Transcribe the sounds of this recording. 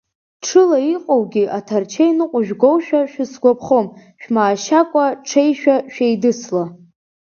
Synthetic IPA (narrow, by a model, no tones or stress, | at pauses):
ʈ͡ʂʰɨlaiqʼowɡʲiʔatʰart͡ʃʰejnɨqʷʼʊʒᶣɡowʃᶣaʃᶣɪsɡʷapʰχomʃᶣmaːʃakʷʼaʈ͡ʂʰejʃᶣaʃᶣajdɨsla